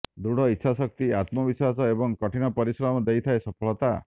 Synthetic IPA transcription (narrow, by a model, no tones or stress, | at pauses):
d̪uɽɔitːʃʰasɔk̚t̪iat̪mɔbiswasɔebɔŋkɔʈʰinɔpɔɾisɾamɔd̪ejt̪ʰaesɔpʰɔɭɔt̪a